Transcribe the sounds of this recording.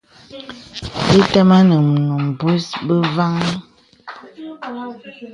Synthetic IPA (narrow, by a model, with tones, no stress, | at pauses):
bi˦tɛ˦ma˦nə˨m˨nu˨m˨bu˦sbə˦va˦ŋ˦